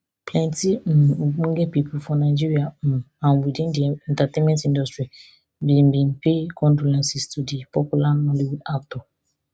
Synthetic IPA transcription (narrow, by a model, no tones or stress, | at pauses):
plɛ̃ntim̩̃ɡ͡bũɡɛpipʰufɔnaɪd͡ʒiɾiamũ | ãw̃widẽndiɛ̃ntatẽnmɛ̃ntĩndɔstɹi | bimbĩnpekʰɔ̃ndolɛ̃nsistudipɔpulanɔ̃liwudaktɔ